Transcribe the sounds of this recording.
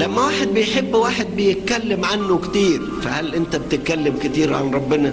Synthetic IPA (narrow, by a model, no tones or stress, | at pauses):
læmːæwaːħed̪̚bejħebːwaːħed̪̚bejet̪̚kælːemʕanːokt̪iːɾ | fæhælʔɪnt̪æbet̪ɪt̪̚kælːɪmkɪt̪iːɾʕanɾˤɑbːɪnɑ